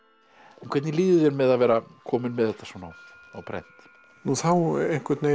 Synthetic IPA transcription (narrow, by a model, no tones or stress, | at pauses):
ɛnkʰvɛt̪niliːðʏðjɛɾmɛðaðvɛːɾakʰɔːmɪnmɛðɛht̪ːḁsɔnaw | a̰wpʰɾɛ̰n̥t̪ | nuθawejŋ̥kɛɾt̪ne